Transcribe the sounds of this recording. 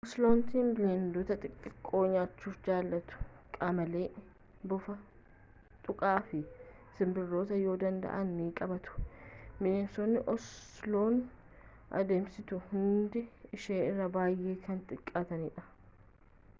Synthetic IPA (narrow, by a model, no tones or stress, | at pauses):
ʔɔslo̞ːnt̪iːnbɪlend̪ot̪ɐt̪ʼɪkʼːɪkʼːo̞ːɲaːt͡ʃːuːfd͡ʒaːlːɐt̪ʊ̥ | kʼamɐle̞ː | bʊfɐ | t̪ʼʊkʼaːfɪ | sɪmbɪrːo̞ːt̪ɐjo̞ːd̪ɐnd̪ɐ̰ʔɐnːiːkʼɐbɐt̪ʊ̥mɪneːsoːnːɪʔɔslo̞ːn | ʔɐ̰d̪eːmsɪt̪ʊhʊnd̪ɪɪʃeːɪrːɐbaːjʔe̞ːkɐnt̪ʼɪkʼːaːt̪ɐniːᶑɐ̥